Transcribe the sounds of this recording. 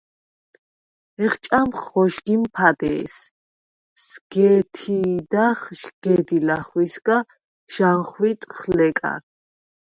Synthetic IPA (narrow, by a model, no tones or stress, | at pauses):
ɛχt͡ʃʼamχɔʃɡimpʰad̪ɛ̰ːs | sɡ̥ɛt̪ʰid̪aχʃɡ̥ɛd̪ilaχwisɡa | ʒ̥anχwit̪ʼχlɛkʼa̰ɾ